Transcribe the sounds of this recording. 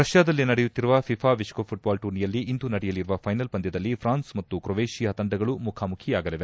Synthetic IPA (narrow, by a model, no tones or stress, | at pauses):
ɾɐʃjaːd̪ɐlːinɐɽɛjut̪ːiɾuʋɐpʰipʰaːʋiʂkoːpʰuʈ̚baːlʈuːɾnijɐlːiʔːnd̪unɐɽɛjɐliɾuʋɐpʰɐjnɐlpɐnd̪jɐd̪ɐlːipʰɾaːnsmɐt̪ːukɾɔʋeːʃijɐɐt̪ɐɳɖɐɡɐɭumukʰaːmukʰijaːɡɐliʋe